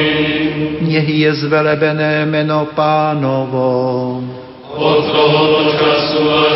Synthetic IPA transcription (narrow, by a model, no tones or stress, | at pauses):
ɲɛɦɪjɛzvɛlɛbɛnɛːmɛnopaːnovo | ot̪ɾoɦot͡ʃasua